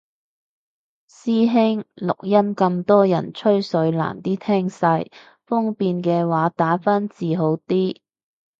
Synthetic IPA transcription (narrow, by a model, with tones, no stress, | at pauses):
siː˥ɦɪ˥ŋlʊ̰˨k̚jɐ˥mkɐ˧mt̪ɔː˥jɐ̰˨˩nt͡ʃʰɵ˥ɥsɵ˨˧˥ɥla̰ː˨˩nt̪iː˥t̪ʰɛː˥ŋsɐ˧j | fʊ˥ŋpiː˧nkɛː˧waː˨˥t̪aː˨˥faː˥nt͡siː˨ɦo˨˥wt̪iː˥